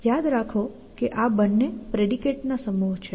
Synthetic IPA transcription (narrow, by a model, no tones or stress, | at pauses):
jad̪ɾakʰo | keʔabənːepɾeɽikeʈnasəmuɦt͡ʃʰe